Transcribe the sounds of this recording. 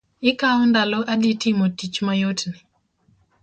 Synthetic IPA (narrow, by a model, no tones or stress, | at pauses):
ɪkaɔndalɔʔaditɪmotit͡ʃmajotnɪ